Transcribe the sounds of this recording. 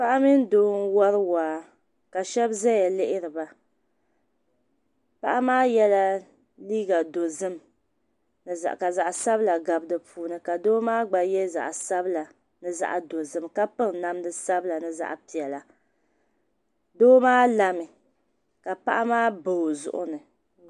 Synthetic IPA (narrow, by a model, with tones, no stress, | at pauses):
pa˦ʔa˦mi˦n˦doː˦n˦wa˦ɾɨ˦waː˨ | ka˨ʃɛ˦bzɛ˦ja˨lɪ˦ʔɪ˦ɾɨ˨ba˨ | pa˦ʔa˦maː˦jɛ˦la˦ | liː˦ɡa˨do˨zɨ˦m | nɨ˨za̰˨ʔka˨za˨ʔa˨sa˦bla˨ɡa˨bdɨ˨pʰuː˨˦nɨ˦ka˨doː˦maː˦ɡ͡ba˨jɛ˦za̰˨ʔsa˦bla˨ | nɨ˦za̰˦ʔa˨do˨zɨ˦mka˦pɨ˦ŋna˦mdɨ˦sa˦bla˨nɨ˦za̰˦ʔpi˨ɛ˨la˨ | doː˦maː˦la˨mɨ˨ | ka˨pa˦ʔa˦maː˦bo˨zʊ̰˦ʔʊ̰˦nɨ˨